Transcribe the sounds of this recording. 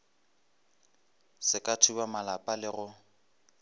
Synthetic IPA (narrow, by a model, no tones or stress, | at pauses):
sɪkʼatʰubamalapʼalɪɣʊ